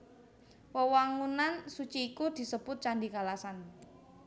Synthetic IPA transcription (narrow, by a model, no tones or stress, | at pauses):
wəwaŋunansut͡ʃiːkud̪̥i̤səb̥ʊt̪̚t͡ʃandikalasan